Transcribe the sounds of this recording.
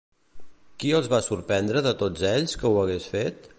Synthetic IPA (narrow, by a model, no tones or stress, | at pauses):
kiəlˠzβasuɾpɛnd̪ɾəðət̪od͡zeʎskəuəɣ̞esfet̪